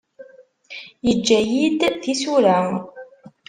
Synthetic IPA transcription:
jəd͡ʒːæjid̪θisuɾæ

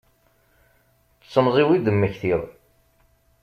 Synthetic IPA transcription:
t͡sːəmzˤiwid̪əmːəçθið

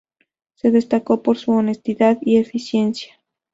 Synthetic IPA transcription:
se̞ðe̞st̪ako̞po̞ɾsuone̞st̪iðaðie̞fisje̞nsjḁ

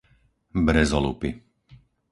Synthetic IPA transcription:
bɾɛzɔlṵpi

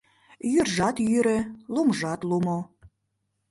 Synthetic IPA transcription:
jyrʒɑt̪jyɾĕlumʒɑt̪lumo

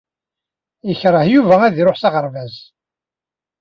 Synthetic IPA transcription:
jəçɾˤəhjuvææðiɾoħsɑʁəɾˤvæz

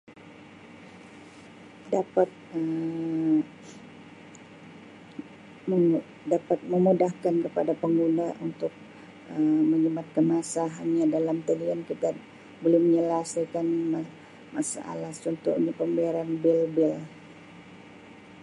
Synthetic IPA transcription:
dapat̪̚ə | m | dapat̪̚məmudahkankəpadapəŋɡunãʔunt̪ʊk̚ | əməɲimat̪̚kanmasaɦanɲadalamt̪əliankit̪a | bolɛhməɲəlasajkanma | masa̰ʔa̰last͡ʃunt̪ṵʔɲapəmbiaɾanbilbɪl

